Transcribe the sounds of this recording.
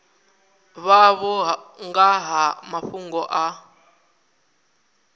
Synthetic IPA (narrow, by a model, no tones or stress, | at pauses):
βaβɔɦŋɡaɦamaɸuŋɡɔʔa